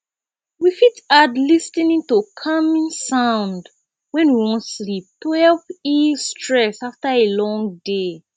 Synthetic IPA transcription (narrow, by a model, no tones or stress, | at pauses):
wifitadlistĩnĩntukʰamĩnsãʊ̃nd | wɛ̃nwiwɔ̃nslip̚tohɛlpistʰɹɛsaftaelɔ̃ŋde